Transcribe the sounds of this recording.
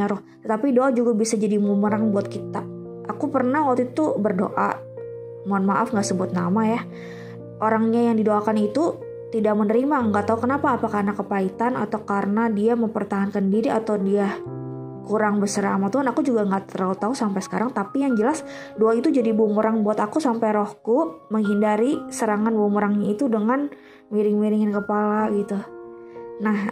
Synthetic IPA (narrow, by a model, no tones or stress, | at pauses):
ɲaɾʊh | t̪ət̪apidoʔad͡ʒuɡabisad͡ʒadimuməɾaŋbuat̪̚kit̪a | ʔakupərnahwat̪uit̪ubərdo̰ʔa̰ | muanmaʔafŋɡaʔsəbʊt̪̚namaja | ʔoɾaŋɲajaŋdidoakanit̪u | t̪idak̚mənəɾimaŋɡaʔt̪aukənapaːpakarnakəpait̪ana̰t̪awkaɾənadiaməmpərt̪aɦankandiɾia̰t̪awdia | kuɾaŋbəsəɾaamat̪uɦanakud͡ʒuɡaŋɡaʔt̪əɾaut̪ausampajsə̥kaɾaŋt̪apijaŋd͡ʒəlas | doait̪ud͡ʒadibuŋoɾaŋbuat̪akusampajɾohkuməŋɦindaɾisəɾaŋanbuŋoɾaŋɲait̪udəŋan | miɾɪŋmiɾɪŋɪnkəpalaɡit̪u | nah